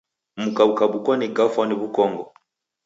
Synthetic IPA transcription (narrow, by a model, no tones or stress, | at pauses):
mukaukabukwaniɡafaniβukɔŋɡɔ